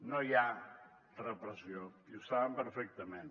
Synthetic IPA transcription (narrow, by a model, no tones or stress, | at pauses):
noja | rəpɾəsioiusaβəmpəɾfɛk̚t̪əmen